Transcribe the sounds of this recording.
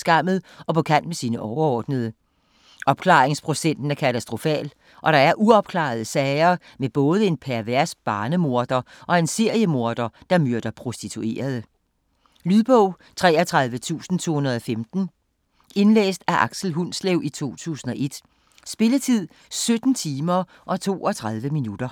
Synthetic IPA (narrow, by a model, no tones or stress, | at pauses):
sɡ̥ɑ̈m̰ð̞̩ˠʔɒ̽pɒ̽kʰæn̰d̥mesiːnəʔɒʊɐɒːd̥nəð̞ˠə | ʔɒ̽b̥kʰlɑ̰̈ːʁeŋspʰʁo̝sen̰d̥n̩æɐkʰæt͡sʰæsd̥ʁo̝fɛ̰ːl | ʔɒ̽ɾ̥ɑ̈æɐʔuɒ̽b̥̚kʰlɑ̰̈ð̞ˠəsɛɪɐː | meb̥ɔ̽ːð̞ˠəe̝npʰæɐʋæɐ̰sb̥ɑ̈ːnəmo̝ɐd̥ɐʔɒ̽e̝nse̝ɐ̰jəmo̝ɐd̥ɐd̥ɑ̈møɐd̥ɐpʰʁo̝sd̥it͡sʰue̝̰ːɐð̞ˠə | lyðˠb̥ɔʊ̰ | t͡sʰʁɛ̰ːɐt͡sʰʁɑ̈ð̞ˠʋət͡sʰṵːsn̩t͡sʰo̝̰ːhunɐð̞ˠɒ̽femd̥n̩ | e̝nlḛːsd̥æʔɑ̈ɡ̥sl̩ɦunsleʊʔit͡sʰo̝̰ːt͡sʰṵːsn̩ɒ̽ʔe̝d̥ | sb̥e̝lət͡sʰið̰ˠ | sød̥n̩t͡sʰiːmɐ | ʔɒ̽t͡sʰo̝̰ːɒ̽t͡sʰʁɑ̈ð̞ˠʋəminud̥ɐ